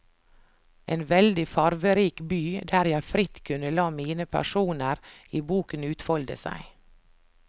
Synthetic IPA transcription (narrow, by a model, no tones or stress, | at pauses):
ʔeːnʋɛld̪ɪfɑɾʋəɾiːkbyːd̪æːɾjæɪfɾɪt̪kʰʉnəlɑːmiːnəpʰæ̰ʂuːnəɾiːbuːkənʉːt̪fɔld̪ə̰sæ̰ɪ